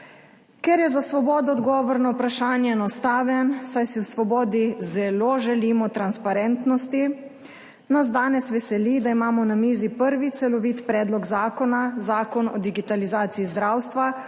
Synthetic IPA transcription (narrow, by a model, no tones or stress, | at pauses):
kɛɾjɛzasʋɔbɔːd̪ɔːd̪ɡɔːʋɔɾnɔwpɾaʃaːnjɛɛnɔst̪aːʋɛnsajsiwsʋɔbɔːd̪izɛloːʒɛliːmɔt̪ɾanspaɾɛnt̪nɔst̪i | nazd̪aːnɛsʋɛsɛlid̪aimaːmɔwnamiːzipəɾʋit̪sɛlɔʋiːt̪pɾɛːd̪lɔɡzaːkɔnazaːkɔnɔ̰d̪iɡit̪alizaːt̪siizd̪ɾawst̪ʋa